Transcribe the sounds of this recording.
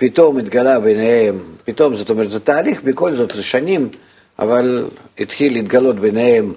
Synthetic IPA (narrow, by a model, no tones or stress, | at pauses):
pʲit̪o̞mɪd̪ɡalabejnehempʲit̪o̞mzot̪omɛɾt̪zɛt̪aːlʲixbʲɪko̞lzot̪zɛʃanʲim | a̰valʲ | ɪt̪xʲilʲːiːd̪ɡalo̞t̪beneɦem